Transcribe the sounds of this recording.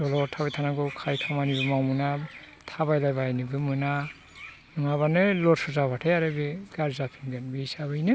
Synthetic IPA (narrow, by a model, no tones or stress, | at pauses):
dɔlɔtʰaβajtʰanaɡɯwkʰajkʰamanibɯmawmɯna | tʰaβajlajbajnɯbɯmɯna | nɔŋaβanɯlɔɾsɔzaβatʰejaɾɯbiɡ̥aɾzapʰiŋɡɯnbiisabɯjnɯ